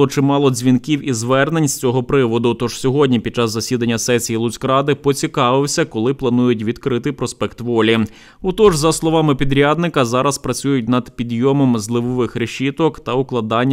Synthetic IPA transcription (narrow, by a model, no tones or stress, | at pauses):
ɔt͡ʃɪmɑlˠɔzʲʋʲinkʲiwizʋɛrnenʲst͡sʲɔɦɔpɾɪʋɔd̪ʊt̪ɔʒ̥sʲɔɦɔdʲnʲipʲid̚t͡ʃːɑzːɐsʲid̪ɐnʲːɐsɛsʲijilˠʊt͡sʲkɾɑd̪ɪpɔt͡sʲikɑʋɪwsʲɐkɔlˠɪplˠɐnujʊt̬ʲʋʲid̪kɾɪt̪ɪpɾɔspɛkt̪ʋɔlʲi | ʊt̪ɔʒzɐslˠɔʋɑmɪpʲid̪ɾʲad̪nɪkɐzɑɾɐspɾɐt͡sʲujʊt̚ʲnɐd̪pʲid̪jɔmɔmzlˠɪʋɔʋɪxɾeʃʲit̪ɔkt̪ɐʊklˠɐd̪ɑnʲː